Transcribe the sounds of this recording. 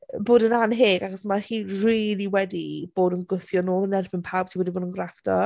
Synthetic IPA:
boːdənanɦeːɡaχɔsmahiːriːlˠiwɛdib̥oːdənɡʊθjɔnoːlˠənɛrbɪnpʰawb̚tʰiwɛdiboːdənɡrafd̥ɔ

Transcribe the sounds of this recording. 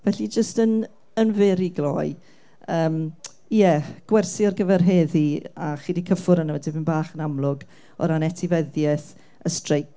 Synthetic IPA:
vɛɬid͡ʒəstən | ənvɪːɾiɡlˠɔj | əːm | jɛɡ̥wɛrsiɔrɡəvɛrɦeːðiaχiːdikʰəfʊɾənəədɪbɪnbaːχənamlʊɡ | ɔ̰ɾanɛtʰɪvɛðjɛθ | əstrejk

